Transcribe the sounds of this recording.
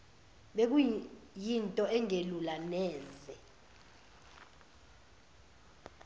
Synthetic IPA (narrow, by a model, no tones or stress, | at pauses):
ɓek̬ujintʼɔɛŋelulanɛːzɛ